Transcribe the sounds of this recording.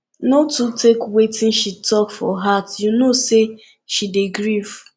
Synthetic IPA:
notutekwetĩnʃitɔkfɔ̰ɦatjunose | ʃideɡɾiv

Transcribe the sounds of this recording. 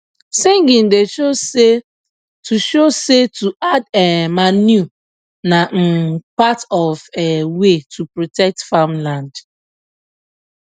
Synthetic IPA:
seŋɡĩndeʃoe | tuʃosetuʔadɛmanju | nam̩patɔvɛwetʰupɹotɛk̚tfamlãnd

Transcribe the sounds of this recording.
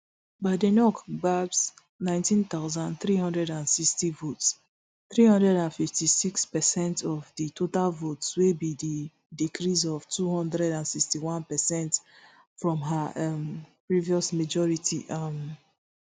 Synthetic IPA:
badɛnɔkɡabs | nãɪ̃ntĩnt̪aʊzãnθɹihɔ̃ndɹɛdãnsikstivots | θɹihɔ̃ndɹɛɾãnfiftisikspɛsɛ̃ntʰɔvditʰotalvotswebidi | dikʰɹizɔvtuhɔ̃ndɾɛdãnsikstiwãnpɛsɛ̃nt | fɹɔ̃mɦaɛmpɹiviɔsmad͡ʒɔɹitʰḭʔam

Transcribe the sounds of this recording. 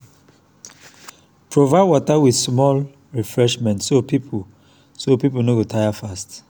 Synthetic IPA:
pʰɹovaɪwɔtawidsmɔl | ɹifɹɛʃmɛ̃ntsopipʰu | sopipulnoɡotʰaɪafast

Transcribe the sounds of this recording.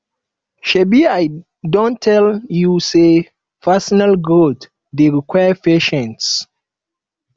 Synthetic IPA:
ʃebiaj | dɔ̃ntʰːɛljuse | fasɔnalɡɹot | deɹikʰwajəpeʃɛ̃nts

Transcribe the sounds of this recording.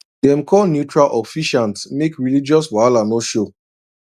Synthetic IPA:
dɛ̃mkʰɔlnjutɹalʔɔfiʃãntsmekɹilid͡ʒɔswalanoʃo

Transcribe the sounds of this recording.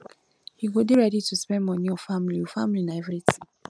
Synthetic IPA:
hiɡodeɹɛditʰuspɛ̃nmɔ̃nĩɔfamliofamlinaɛvɹitʰĩŋ

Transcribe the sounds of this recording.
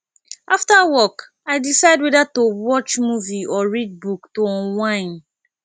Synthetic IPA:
aftawɔk | aɪdisaɪdwɛdatowɔt͡ʃmuviɔɹid̚buktoɔ̃nwãɪ̃n

